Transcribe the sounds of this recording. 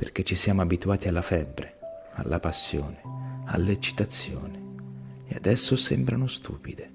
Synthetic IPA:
perk̟et͡ʃːisjaːmoabit̪uaːt̪ialːafɛbːɾe | a̰lːʔapasːjo̰ːnea̰lːet͡ʃːi̥t̪at̪sːjo̰ːnɪea̰d̪ɛsːosɛmbɾanʊst̪ʰṵːpid̪e

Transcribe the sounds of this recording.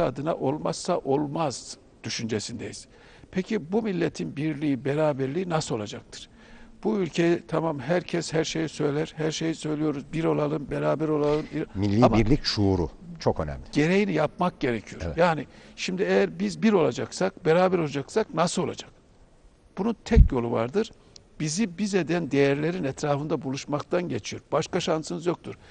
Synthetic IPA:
ad̪ɯnaʔo̞lˠmasːaʔo̞lˠmaz̥ | d̪̥yʃynd͡ʒesind̪ejiz̥ | pʰecʰibumilʲːet̪ʰinbiɾlʲiibeɾaːbæɾlʲiːinasɯo̞lˠad͡ʒak̚t̪ʰɯ̥ɾ̥ | b̥uylʲcʰe̞jɛt̪ʰamamɦæɾcʰɛshæɾʃe̞jisø̞jlʲæɾ̥hæɾʃe̞jisø̞jlʲijo̞ɾuzbiɾo̞lˠalˠɯmbeɾaːbæɾo̞lˠalˠɯmiɾmilʲːiambiɾlʲicʃuːɾṵt͡ʃʰokø̰næ̰mlʲɪɟ̥e̞ɾe̞jinijap̚mak̚ɟe̞ɾecʰijo̞ɾjaːniʃimd̪iejæɾbizbiɾo̞lˠad͡ʒaksak̚beɾaːbæɾo̞lˠad͡ʒaksaknasɯo̞lˠa̰d͡ʒak̚ | b̥ununt̪ʰɛcjo̞lˠuva̰ɾd̪ɯɾ̥ | bizibize̞d̪ænd̪e̞jæɾlʲe̞ɾinɛt̪ɾaːfɯnd̪abulˠuʃmakt̪ʰanɟe̞t͡ʃʰijo̞ɾbaʃkaʃansɯnɯzjo̞k̚t̪ʰuɾ̥

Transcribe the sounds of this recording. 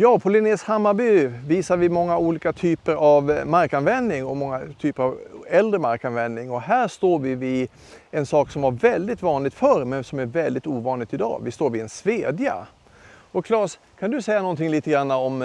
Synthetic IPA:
jɑːpʰɔlɪneːshamːabʏviːsaɾvɪmɔŋːauːliːkat̪ʰyːpəɾavmaɾkanvɛnːɪŋɔmɔŋːat̪ʰyːpəɾavɛld̪ɾəmaɾkanvɛnːɪŋɔɦæːʂt̪oːɾvɪvɪ | ɛnsɑːksɔmvaɾvɛld̪ɪt̪vɑːnlɪɡ̚t̪fœɾmɛnsɔmæɾvɛld̪ɪt̪uːvɑːnlɪɡ̚t̪ɪd̪ɑ̰ːvɪst̪oːɾvɪɛnsveːd̪ja̰ | ɔkʰlɑːʂ | kʰand̪ɵsɛjːanɔnt̪ʰɪŋliːt̪əɡɾanːaɔm

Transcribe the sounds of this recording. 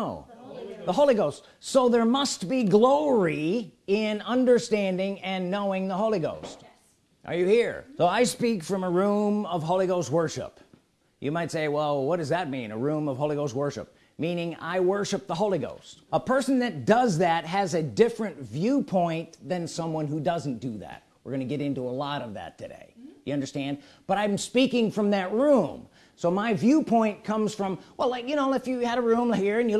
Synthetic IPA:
ʊðəɦoʊlˠiɡoʊst | soʊðə˞mʌst̚b̥iɡloʊɹiɪ̃nʌ̃ndə˞stæ̃ndɪ̃ŋɨ̃nːoʊɪ̃ŋðəɦoʊlˠiɡoʊst | ʔə̰˞jɨhiɹsoʊaɪspikfɹʌ̃məɹũmʌv̥ɦoʊlˠiɡoʊst̚wɜ˞ʃɨ̰p | jɨmaɪtseɪwɛlˠwʌt̚d̥ʌzðɨt̚mḭ̃nɨ̰ɹũmʌv̥hoʊliɡoʊst̚wɜ˞ʃɨ̰p̚ | mĩnɪ̃ŋa̰ɪwɜ˞ʃɨp̚ðəɦoʊlˠiɡo̰ʊstəpʰɜ˞sɨ̃n̩ðɨt̚d̥ʌzðæt̚ɦɨzɨdɪfɹɨ̃ntvjʉpʰɔ̃ɪ̃nðɨ̃nsʌ̃mwʌ̃nɦudʌzn̩d̥ɨðæ̰t̚wɨ̰ɹɡʌnɨɡɛɾɪ̃ntuəlɔɾʌvðɨ̰tʰɨdḛɪjɨʌ̃ndə˞stæ̃nd̚ | b̥ʌɾaɪɨ̃mspikɪ̃ŋfɹʌ̃mðɨt̚ɹũm | soʊmaɪvjʉpʰɔ̃ɪ̃nkʰʌ̃mz̥fɹʌ̃mwʔɛlˠaɪkjɨñoʊɨfjɨːɾəɹũmhiɹɨ̃njɨ

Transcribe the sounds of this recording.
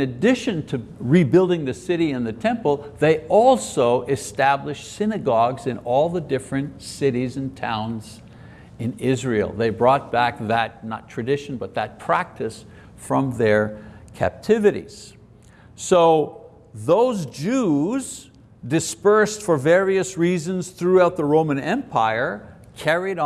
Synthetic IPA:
ɨdɪʃɨ̃ntʰɨɹibɪlˠdɪ̃ŋðɨsɪɾiɨ̃nðɨtʰɛ̃mpl̩ˠðeɪɔlˠsoʊʔɨstæblɨʃsɪnɨɡɑɡzɨ̃nɔlˠðədɪfɹɨ̃ntsɪɾizɨ̃ntʰã̰ʊ̃nz | ɨ̃nɪzɹilˠðeɪbɹɔt̚b̥æk̚ðət̚nə̰tʰɹ̥ɨdɪʃn̩bʌt̪̚ðɨt̚pʰɹ̥æk̚tʰɨs | fɹʌ̃mðə˞kʰæ̰p̚tʰɪvɨɾḭz̥ | soʊ | ðoʊzd͡ʒʉz | dɨspɜ˞stfə˞vɛɹiɨsɹizɨ̃nz̥θɹʉaʊt̪̚ðəɹõʊ̃mɨ̃nɛ̃mpʰaɪə˞ | kʰɛɹiɾ

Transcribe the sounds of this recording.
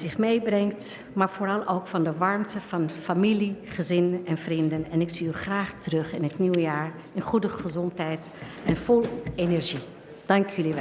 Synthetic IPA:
zɪχmejbrɛŋkt | maːɹvoːɹɑlˠowkfɑndəʋɑɹmtʰəv̥ɑnfamiliχəzɪnɛnvrindənɛnɪksiyχraːχtərɵχɪnɦətniwəjaːɹ | ɪnχudəχəzɔntɦɛjt | ɛnfʊlˠenɛɹʒi | d̥ɑŋkjəliʋɛ

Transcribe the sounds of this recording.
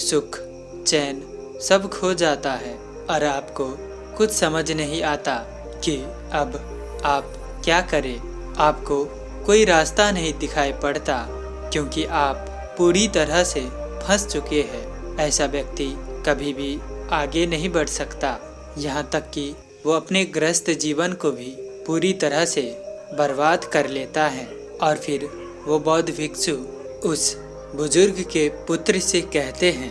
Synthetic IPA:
sʊkʰ | t͡ʃɛːn | sɐbkʰod͡ʒaːt̪aɦɛː | ɔːɾaːpko | kʊt͡ʃʰsɐməd͡ʒʱnɐɦĩaːt̪a | ki | ɐb | aːp | kjaːkɐɾẽː | aːpko | koːiɾaːst̪anɐɦĩd̪ɪkʰaːipɐɽ̤t̪a | kjõːkiʔaːpː | uːɾit̪ɐɾəse | pʰɐ̃st͡ʃʊkeɦɛːɛːsaʋjɐk̚t̪ikɐbʱibʱiaːɡenɐɦĩbɐɽ̤sɐkt̪a | jɐɦãt̪ɐkːi | ʋoɐpneɡɾəst̪d͡ʒiːʋənkobʱipuːɾit̪ɐɾəɦse | bɐɾbaːd̪kɐɾleːt̪aɦɛ̃ː | ɔːɾfʰɪɾ | ʋobɔːt̪ʋɪksu | ʊs | bʊzʊɾɡkepʊt̪ɾsekɛɦt̪eɦɛ̃ː

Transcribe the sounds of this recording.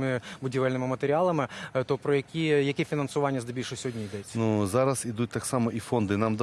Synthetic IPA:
mɪbʊdʲiʋɛlʲnɪmɪmɐt̪eɾʲɪalˠɐmɪt̪ɔpɾɔjɐkʲijɐkʲɛfʲinɐnsʊʋɑnʲːɐzd̪ɪbʲilʲʃɛsʲɔɦɔdʲnʲijid̪ɛt͡sʲːɐnuzɑɾɐsid̪ut̚ʲt̪ɑksɑmɔʔifond̪ɪnɑmd̪ɐ

